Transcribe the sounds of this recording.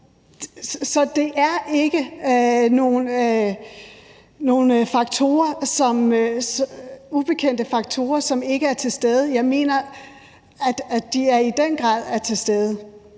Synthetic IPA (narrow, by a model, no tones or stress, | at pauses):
sɒ̽d̥e̝ʔæɐe̝ɡ̥əno̝ːn | no̝ːnfɑ̈ɡ̥̚t͡sʰo̝̰ːɐsɒ̽m | ub̥e̝kʰen̰d̥əfɑ̈ɡ̥̚t͡sʰo̝̰ːɐsɒ̽me̝ɡ̥əæɐt͡sʰe̝lsd̥eːð̞ˠəjɑ̈ɪme̝̰ːnɐ | æd̥æd̥iæɐid̥enɡ̥ʁɑ̰̈ːð̞̰ˠæɐt͡sʰe̝sd̥eːð̞ˠə